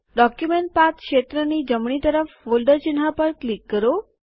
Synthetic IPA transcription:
ɖɔkjumeɳʈ̚pat̪kʃet̪ɾənid͡ʑəmɳit̪əɾəfʋolɖəɾt͡ʃɪnɦapəɾklikːəɾo

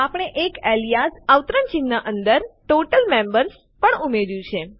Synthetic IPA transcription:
apəɳ̃eʔekelijasaʋt̪ɾənt͡ʃinːaʔənd̪əɾʈoʈəlmẽmbəɾs | pəɳumeɾjũt͡ʃʰe

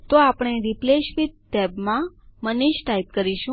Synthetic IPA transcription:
t̪oapɽ̃eɾipleʃʋit̪ːɛbmãməniʃʈaip̚kəɾiʃũ

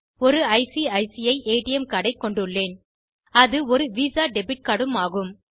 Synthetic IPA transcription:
ɔɾɯɐɪsiɐɪsɪjɐɪʔeːʈɪjɛmkɐɽɐɪkːɔɳɖɯɭːeːn | ɐðɯɔɾɯʋiːsaːɖɛbɪʈ̚kɐɽɯmaːɣɯm

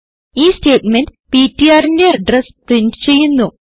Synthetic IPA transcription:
iːsteːtmendpiːtːijaːɾinde̞ɐɖresprindɨ̥t͡ɕe̞jːunːu

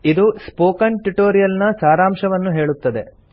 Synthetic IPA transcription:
id̪uspoːkɐnʈuʈoːɾijɐlnɐsaːɾaːmʃɐʋɐnːuɦe̞ːɭut̪ːɐd̪e̞̰

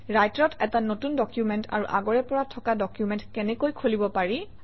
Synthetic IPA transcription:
ɹajtɹɔtɛtanotundɔkjumɛnta̰ɹṵʔa̰ɡɔɹɛpɔɹatʰɔkadɔkjumɛntkɛnɛkojkʰolibɔpaɹi

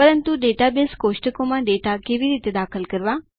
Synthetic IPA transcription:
pəɾənt̪uɖeːʈabeskoːʃʈəkõmãɖeːʈakeʋiɾiːt̪ed̪aːkʰəlkəɾʋaː

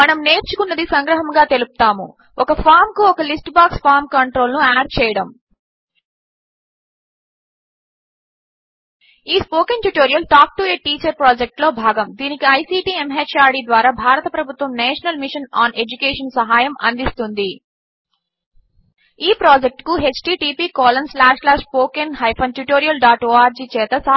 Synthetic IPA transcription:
mɐnɐmne̞ːɾt͡ʃukunːɐd̪isɐŋɡɾɐɦɐmɡaːt̪e̞lupu̥t̪aːmṵ | ɔkɐpʰaːɾmkuɔkɐlisʈbaːkspʰaːɾmkɐɳʈɾo̞ːlnuaːɾt͡ʃɛːjɐɽɐm | iːspoːkenʈjuʈoːɾijɐlʈaːk̚ʈueːʈiːt͡ʃɐɾpɾaːd͡ʒek̚ʈlo̞ːbʱaːɡɐmd̪iːnikiɐjsiːʈiːemɦet͡ʃaːɾɽiːd̪ʋaːɾaːbʱaːɾɐt̪ɐpɾɐbʱut̪ʋɐmneːʂɐnɐlmiʂɐnaːne̞d͡ʒukeːʂɐnsɐɦaːjɐmʔɐ̰nd̪ist̪und̪i | iːpɾaːd͡ʒek̚ʈkuɦet͡ʃʈiːʈiːpiːkɔːlɐnslaːʂlaːʂpoːkenɦɐjpʰɐnʈ̪juʈoːɾijɐlɖaːʈoːaːɾd͡ʒiːt͡ʃɛːt̪ɐsɐ

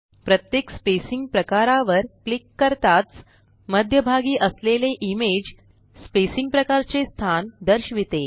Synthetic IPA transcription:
pɾət̪jekspesiŋɡ̚pɾəkaɾaʋəɾklikːəɾt̪at͡s | məd̪ʱjəbʱaɡiːʔəsleleʔimed͡ʑ | spesiŋɡ̚pɾəkaɾt͡sest̪ʰand̪əɾɕʋit̪e

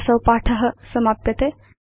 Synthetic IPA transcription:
sɐwpaʈʰəɦə̆səmapjɐt̪e

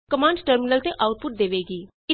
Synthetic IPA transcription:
kəmãːɳɖʈəɾmɪnəlt̪eʔaːʊʈ̪̚pʊʈ̚d̪eːʋeːɡiː | ɪ

